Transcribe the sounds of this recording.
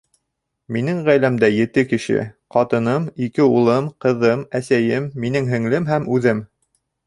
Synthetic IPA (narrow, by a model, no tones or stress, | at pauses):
minɘŋʁæjlæmd̪æjɘ̆t̪ɘkɘ̆ʃɘ̰qɑt̪ɤ̆nɤmikɘulˠɤmqɤ̆ðɤmæsæjɘmːinɘŋɦɘ̆ŋlɘmɦæmʉðɘm